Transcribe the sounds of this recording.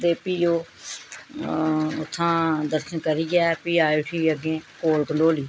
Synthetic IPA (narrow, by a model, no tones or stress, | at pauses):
d̪eːpiːoː | ʊt̪ʰːãːd̪əɾʃənkəɾiːɡɛːpiːaːeːʈʰiːəɡẽːkoːlkənoːliː